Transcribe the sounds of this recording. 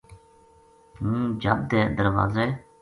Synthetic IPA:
ɦũːd͡ʒəb̚d̪eːd̪əɾʋa̰ːzeː

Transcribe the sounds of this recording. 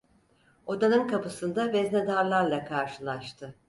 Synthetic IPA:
o̞d̪anɯnkapɯsɯnd̪avɛznɛd̪aɾlˠaɾlˠakʰaɾʃɯlˠaʃt̪ʰɯ

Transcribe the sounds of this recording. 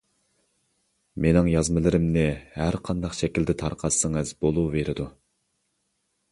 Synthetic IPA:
menɪŋjɑzmɨlˠɨɾɪmnɪhæɾqʰɑnd̪ɑqʃɛkʲild̪ɪt̪ʰɑɾqʰɑt̪sɨŋɨzbolˠuveɾɪd̪u

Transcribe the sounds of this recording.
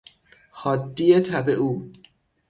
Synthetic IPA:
hɒːd̪ːiet̪ʰæbeʔuː

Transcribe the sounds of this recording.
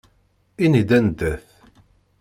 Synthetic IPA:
inid̪ænd̪æθ

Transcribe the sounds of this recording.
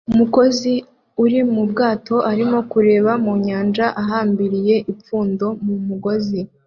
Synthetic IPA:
umuko̞zi | uɾimubɡaːto̞ʔaɾimo̞kuɾe̞ːβamuːɲaːnd͡ʒaʔaɦaːmbiɾije̞ʔip͡fuːndo̞mumuɡo̞zi

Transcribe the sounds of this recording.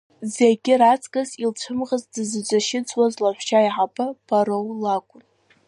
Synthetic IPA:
zeɡʲɪɾat͡sʰʼɡʼazilt͡ʃʷʰɨmʁazdɨzɨd͡ʒʷʼaʃɪt͡sʼwazlaħʷt͡ʃaiħapʰʼɨpʰaɾowlakʷʼʊn

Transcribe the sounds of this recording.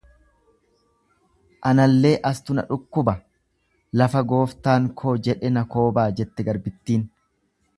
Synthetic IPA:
ʔɐnɐlːe̞ːʔɐst̪ʊnɐ̰ᶑʊkːʊbɐ | lɐfɐɡo̞ːft̪aːŋkʰo̞ːd͡ʒɛᶑɛnɐko̞ːbaːd͡ʒɛt̪ːɛɡɐɾbɪt̪ːiːn

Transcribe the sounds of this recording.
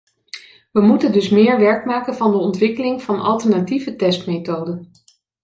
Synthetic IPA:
ʋəmutəndɵsmɪːɹʋɛɹkmaːkənvɑndəɔntʋɪkəlɪŋv̥ɑnʔɑ̰lˠtəɹnativətɛstmejtowdən

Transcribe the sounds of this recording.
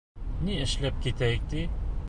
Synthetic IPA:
niʔəʃlæb̚kit̪æjək̚t̪i

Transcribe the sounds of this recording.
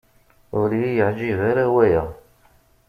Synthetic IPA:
ʊɾjijəʕd͡ʒivæɾæwæjæ

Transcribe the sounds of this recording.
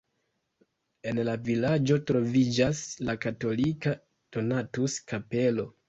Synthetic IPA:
enlavilad͡ʒo̞tɾo̞vid͡ʒaslakato̞lika | to̞natuskape̞lo̞

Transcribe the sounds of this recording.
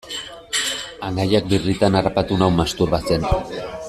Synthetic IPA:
aŋɡajak̚birit̪anarapat̪unawmast̪uɾβase̞n

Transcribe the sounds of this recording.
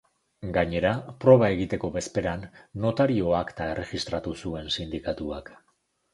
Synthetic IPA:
ɡaɲe̞ɾapɾo̞β̞ae̞ɣ̞it̪e̞ko̞βe̞spe̞ɾanːo̞t̪aɾio̞akt̪ae̞rʔeɣist̪ɾat̪usue̞nsind̪ikat̪uak

